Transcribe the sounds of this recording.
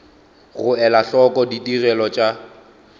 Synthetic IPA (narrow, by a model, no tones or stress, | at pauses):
ɣʊɛlaɬɔkʼɔditʼirɛlɔt͡ʃʼa